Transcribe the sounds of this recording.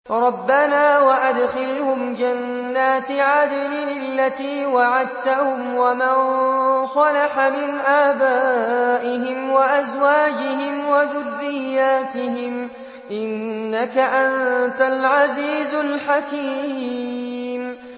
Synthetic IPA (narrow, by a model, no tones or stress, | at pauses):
ɾˤɑbːanaːwaʔad̪xɪlhʊmd͡ʒanː | aːt̪ɪʕad̪alɪlɪlːat̪iːwaʕad̪̚t̪ahʊmwamansˤɑlaħamɪnʔaːbaːʔɪɦɪmwaʔazwaːd͡ʒɪhɪmwaðʊrːɪjːaːt̪ɪhɪm | ʔɪnːakaʔant̪alʕaziːzʊlħakiː | m